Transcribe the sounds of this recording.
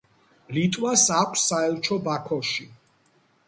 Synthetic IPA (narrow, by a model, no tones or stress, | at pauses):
lit̪ʼwasakʷʰʼsːaɛlˠt͡ʃʰɔbakʰɔʃi